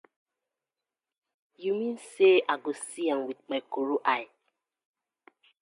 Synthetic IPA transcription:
jumĩnseʔaɡosiamwid̚k͡pajkoɾuʔaɪ

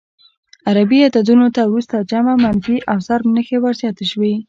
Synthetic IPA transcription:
aɾabiat̪ad̪unot̪awɾust̪ad͡ʒamamanfiʔawsaɾmnəxewaɾzjɑt̪aʃwi

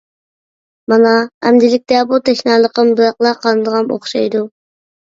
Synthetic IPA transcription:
mɑnɑæmd̪ɪlɪk̚ʲt̪ɛbut̪ʰɛʃnɑːlˠəqʰəmbɨɾɑqlˠɑqʰɑnɨd̪əʁɑmo̰χʃɑjd̪u

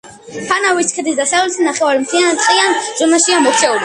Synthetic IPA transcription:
pʰanaviskʰd̪isd̪asaulɛsʰinaχɛvaɾimt̪ʰiat̪qʼianzɔmaʃiamɔkt͡ʃʰɛula

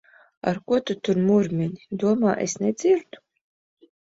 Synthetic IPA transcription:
a̰ɾkuɔt̪ut̪uɾmuɾmʲinʲid̪uɔmaːʔesned̪z̥iɾt̪u̥

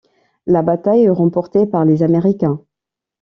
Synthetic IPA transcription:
labat̪ajɛʁɑ̃pɔʁt̪epaʁlezameʁikʲɛ̃

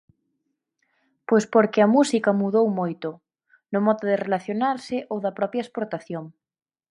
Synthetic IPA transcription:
pojspoɾkɪɐmusikɐmuðowmojt̪ʊ | nʊmɔðoðerelaθjonaɾsɪʔowðɐpɾɔpjaespoɾt̪aθjoŋ

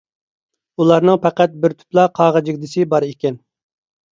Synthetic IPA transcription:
ulˠɑɾnɨŋpæqæt̪̚bɪɾt̪ʰy̥plˠɑqʰɑːʁəd͡ʒɪɡʲd̪ɪsɪbɑɾekʲɛn

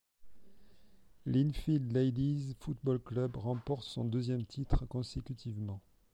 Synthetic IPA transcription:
linfild̪lejd̪izfut̪̚bɔlklœbʁɑ̃pɔʁt̪sɔ̰̃d̪øzjɛmt̪ʰit̪χkɔ̃sekʲyt̪ʰivmɑ̃

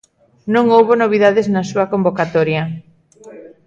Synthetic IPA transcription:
nõŋowβonoβ̞iðaðɪznɐsuɐkombokat̪ɔɾjɐ

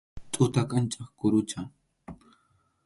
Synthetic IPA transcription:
t̪ʼʊt̪akant͡ʃʼɑχkʊɾʊt͡ʃa

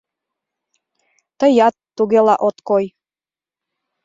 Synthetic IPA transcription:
t̪əjɑt̪ːuɣelɑʔot̪koj

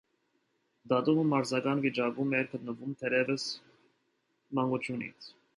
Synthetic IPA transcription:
d̪ɑt̪uməmɑɾzɑkɑnvit͡ʃɑkumɛɾkʰət̪nəvumt̪ʰɛɾɛvəs | mɑŋɡut͡ʃʰjunḭt͡sʰ

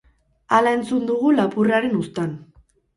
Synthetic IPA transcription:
alae̞nt͡sund̪uɣulapuraɾe̞nust̪an

